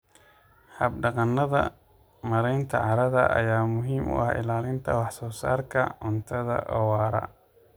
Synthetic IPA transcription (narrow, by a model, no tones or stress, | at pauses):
hɐbɖɑqɑnːɐðɐ̰ | mɐɾɛjnt̪ʰɐ̰ʕɑɾɐðɐ̰ʔɐ̰jaːmʊɦiːmʔʊ̰ʔɐhɪ̰laːlɪnt̪ʰɐwɑħsɔːsa̰ːrkʰɐʕʊnt̪ʰɐðɐ̰ʔɔːwɑːɾɐ̰